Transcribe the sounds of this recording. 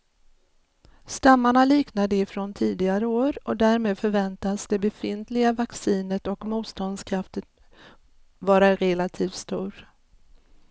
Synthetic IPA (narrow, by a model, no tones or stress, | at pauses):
st̪amːaɳaliːknad̪əɪfɾont̪ʰiːd̪ɪɡaɾəoːɾɔd̪æːɾmeːd̪fœɾvɛnt̪asd̪ɛbɛfɪnt̪lɪɡavaksiːnət̪ɔkmuːt̪st̪ɔnd̪skʰɾaft̪ət̪ | vɑːɾaɾɛlat̪ʰiːft̪st̪uːɾ